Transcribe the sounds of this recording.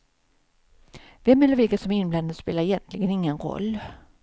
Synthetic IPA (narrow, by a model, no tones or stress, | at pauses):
vɛmːɛlːəɾvɪlkasɔmɪnbland̪ad̪speːlaɾɛjɛnt̪ʰlɪɡənɪŋːənɾɔ̰lː